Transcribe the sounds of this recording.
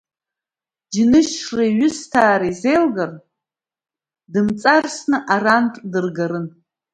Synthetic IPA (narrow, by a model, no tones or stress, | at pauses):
d͡ʒinɨʃʂraiɥʊstʰaːɾaizejlɡar | dɨmt͡sʼarsnɨʔarantʼdɨrɡaɾɨn